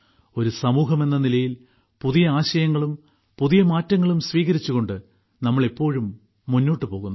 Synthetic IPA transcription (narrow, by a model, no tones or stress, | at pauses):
o̞ɾusɐmuːɦɐme̞nːɐnilɐjil | puðijɐaːɕɐjɐŋːɐɭum | puðijɐmaːtːɐŋːɐɭumsʋiːɣɐɾit͡ɕːuɣo̞ɳɖɨ | nɐmːɐɭipːo̞ːɻumː | unːo̞ːʈːɨpo̞ːɣunː